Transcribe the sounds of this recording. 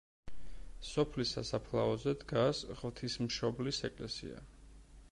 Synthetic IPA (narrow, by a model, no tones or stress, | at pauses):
sɔpʰlisasapʰlˠaɔzɛd̪ɡasʁvt̪ʰismʃɔblisɛkʼlɛsḭa̰